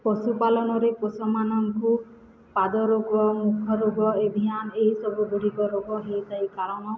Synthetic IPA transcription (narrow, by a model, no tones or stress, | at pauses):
pɔsupalɔnɔɾeposɔmanɔŋku | pad̪ɔɾoɡɔmukʰɔɾoɡɔebʱijanɔeɦisɔbubuɽ̤ʱikɔɾoɡɔɦet̪aikaɾɔɽ̃ɔ